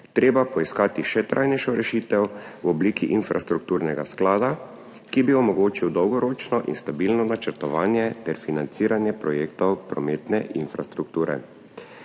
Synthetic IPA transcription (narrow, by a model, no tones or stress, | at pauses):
t̪ɾeːbapɔiskaːt̪iʃɛt̪ɾʔa̰jnɛjʃɔɾɛʃiːt̪ɛwwɔbliːkiʔinfɾa̰st̪ɾuk̚t̪uːɾnɛɡa̰sklaːd̪a | kibiɔmɔɡoːt͡ʃiwd̪ɔwɡɔɾoːt͡ʃnɔʔḭnst̪abiːlnɔnat͡ʃɛɾt̪ɔʋaːnjɛt̪ɛɾfinant̪siːɾanjɛpɾɔjeːkt̪ɔwpɾɔmeːt̪nɛʔinfɾast̪ɾukt̪uːɾɛ̰